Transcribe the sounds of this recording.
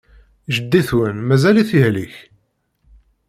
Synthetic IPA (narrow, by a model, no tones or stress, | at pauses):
ʒəd̪ːiθwənmæzæliθihliç